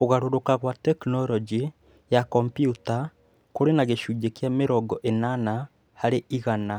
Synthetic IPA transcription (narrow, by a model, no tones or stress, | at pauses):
oɣaɾoɾokaɣwatɛknɔɾɔd͡ʒi | jakɔmpjuta | koɾenaɣeʃuːd͡ʒekjameɾɔɡɔʔenana | haɾeʔiɣana